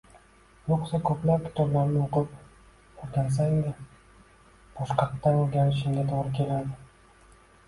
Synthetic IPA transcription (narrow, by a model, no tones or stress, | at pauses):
joqsakʰɵplap̚kʲʰɪ̥t̪ɒblaɾnɪoqɨp̚ | oɾɡʲans̬aɪd̪ʲɪ | b̥ɒʃqɑt̪ːaoɾɡʲaɾɪʃ̬ɪmɡʲat̪ʰoʁɾɪkʲʰe̞lad̪ɪ